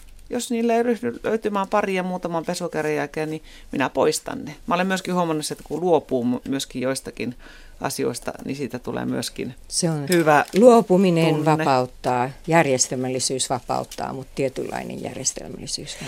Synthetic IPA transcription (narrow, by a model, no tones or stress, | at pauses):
josniːlːeiryhnylø̰yt̪ymæːmpɑriɑmuːt̪ɑmɑmpesokærejælkeːnni | minæpoist̪ɑ̰nːemæolemmyøskihuomɑnːuset̪kuluopuːmmyøskijoist̪ɑkin | ɑ̰sio̰ist̪ɑ̰nisiːt̪æt̪ulḛːmyøskḭnseonhyʋæluopuminenʋɑnpɑut̪ːɑːjærjest̪elmælːisyːsʋɑpɑ̰ut̪ːɑ̰ːmut̪t̪iet̪ylːɑ̰inḛjjæ̰rjest̪ḛlmælːisyːs